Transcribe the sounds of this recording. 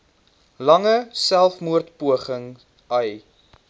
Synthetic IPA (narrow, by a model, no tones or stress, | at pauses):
lɐŋəsælˠfmuərtpuəχəŋ | əj